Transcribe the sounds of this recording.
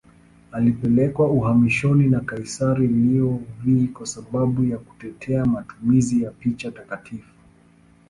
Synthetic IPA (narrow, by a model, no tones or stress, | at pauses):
alipɛlɛkwauhamiʃɔninakaisaɾiliɔvikwasaɓaɓujaku̥tɛtʰɛamatumizijapit͡ʃatakatʰifu̥